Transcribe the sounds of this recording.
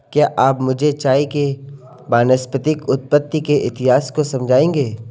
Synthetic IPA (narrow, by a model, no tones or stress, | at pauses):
kjaːʔaːpmʊd͡ʒʱet͡ʃaːike | baːnəspət̪ɪkʊt̪̚pət̪ːikeʔɪt̪ɪɦaːskosɐ̃md͡ʒʱaːẽːŋɡeː